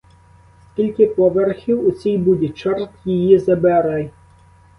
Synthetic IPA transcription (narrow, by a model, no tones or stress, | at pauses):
skʲilʲkɪpɔʋɛrxʲiwʊt͡sʲijbud̪ʲɛt͡ʃɛrt̪jijizɐbɛɾɛj